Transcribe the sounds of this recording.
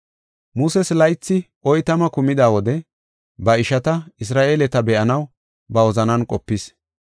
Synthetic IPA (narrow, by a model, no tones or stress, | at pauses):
muːsɛslɐjt͡sːɪ | ʔɔjt̪ɐmɐkʊmɪd̪aːwɔd̪ɛ | bɐɪʃɐt̪ɐɪs̬ɾaːʔeːlɛt̪ɐbɛʔɐnɐw | bɐɔzɐnɐnkʼɔpːɪs